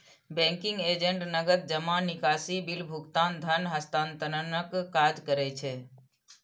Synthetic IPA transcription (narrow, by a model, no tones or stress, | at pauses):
bɛ̃ːŋkɪ̃ŋɡeːd͡ʒẽɳʈnəɡəd̪̚d͡ʒəmanɪkaːsibɪlbʱʊɡt̪aːnd̪ʱənɦəst̪ãːnt̪ənənəkːaːd͡ʒkəɾɛt͡ʃʰe